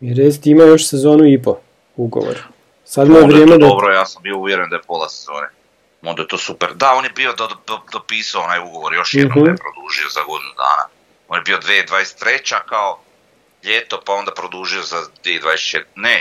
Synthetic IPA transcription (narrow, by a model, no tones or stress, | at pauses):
iɾest̪imajo̞ʃsezo̞ːnuipo | uɡo̰ʋo̰ɾ | sad̪mojeʋɾjeːmed̪obɾojaːsambiouʋjeɾend̪ajepolˠasezoːne | mond̪ajet̪oːsupeɾd̪ao̞njebio̞d̪aod̪opiːsaoonaːjuɡo̞ʋoɾjo̞ʃjɦnm̩epɾod̪uʒiozaɡo̞d̪inud̪a̰ːna̰ | onjebio̞d̪ʋed̪ʋaːest̪ːɾet͡ɕakao | ʎet̪o̞pao̞nd̪apɾod̪uʒiozad̪ved̪ʋaːd̪eset̪ne